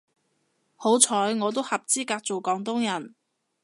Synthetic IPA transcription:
ho˨˥wt͡sʰɔː˨˥jŋɔː˨˧t̪̬o˥whɐ˨p̚t͡siː˥kaː˧k̚t͡so˨wkɔː˨˥ŋt̪̬ʊ˥ŋjɐ˨˩n

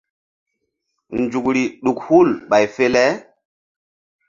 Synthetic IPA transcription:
nd͡ʒu˨k̚ɾi˨ɗu˨k̚hu˦˨lɓa˨jfe˦lɛ˦

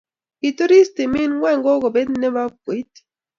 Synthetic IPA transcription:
i˨tu˦ɾi˦ste˨mɪ˦nwɛ˦˨ŋɡo˦ko˨be˦dnɛ˦ba˦ɡwe˨˦t

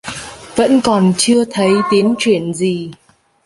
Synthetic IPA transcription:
və̰˧˥nkɔ˨˩nt͡ɕɨ˧ət̪ʰə˨˦jt̪i˨˦ənt͡ɕwi˧˩˨ənzi˨˩

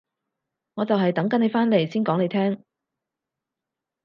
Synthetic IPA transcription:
ŋɔː˨˧t͡sɐ˨wɦɐ˨jt̪ɐ˨˥ŋkɐ˨˥ne˨˧jfaː˥nle˨˩jsiː˥nkɔː˨˥ŋne˨˧jt̪ʰɛː˥ŋ

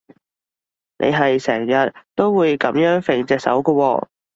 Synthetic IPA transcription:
nʔḛ˨˧jɦɐ˨jsɛː˨˩ŋjɐ˨˩t̚t̪o˥wwuː˨˧jkɐ˨˧˥mjœː˨˥ŋfe˨˩ŋt͡sɛː˧k̚sɐ̰˨˥wkə˧wɔ̰ː˧

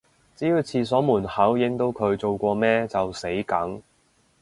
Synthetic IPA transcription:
t͡siː˨˥ji˧wt͡sʰiː˧s̬ɔː˨˥muː˨˩nhaː˨˥wjɪ˨˥ŋt̪o˥wkʰɵ˨˧ɥt͡so˨wkʷɔː˧mɛː˥t͡sɐ˨wse˨˥jkɐ˨˥ŋ

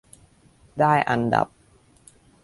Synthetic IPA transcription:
daː˥˩jʔa˧nda̰˨˩p̚

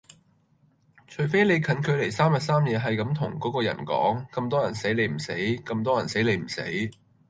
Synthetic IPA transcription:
t͡ʃʰɵ˨˩ɥfe˥jle˨˧jkʰɐ˨˥nkʰɵ˨˧le˨˩jsaː˥mjɐ˨t̚saː˥mjɛː˨˧ɦɐ˨jkɐ˨˥mt̪ʰʊ˨˩ŋkɔː˨˥kɔː˧jɐ̰˨˩nkɔ̰ː˨˥ŋkɐ˧mt̪ɔː˥jɐ˨˩nse˨˥jle˨˧jm̩˨˩se˨˥jkɐ˧mt̪ɔː˥jɐ˨˩nse˨˥jle˨˧jm̩˨˩sḛ˨˥j

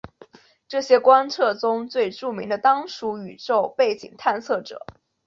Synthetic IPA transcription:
ʈ͡ʂɤ˥˩ɕjɛ˥kwa˥nt͡sʰɤ˥˩t͡sʊ˥ŋt͡swe˥˧ɪʈ͡ʂu˥˩mi˧˥ŋd̪ə˧t̪ɑ˥ŋʂu˧˥y˨˩ʈ͡ʂo˥˧ʊpe˥˩ɪt͡ɕḭ˨˩ŋt̪ʰa˥˧nt͡sʰɤ˥˩ʈ͡ʂɤ̰˨˩˦

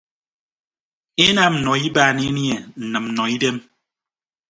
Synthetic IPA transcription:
e˦na˦˨m̩˨nɔ˨i˦baː˦˨ne˦ni˦ɛ˨n̩˨nɨ˨m̩˨nɔ˨i˦de˦m

